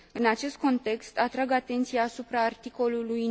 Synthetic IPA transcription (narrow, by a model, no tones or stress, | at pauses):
ɨnat͡ʃe̞st̪̚ko̞nt̪e̞kst̪at̪ɾaɡat̪e̞nt̪sijaːsupɾaːrt̪iko̞luluj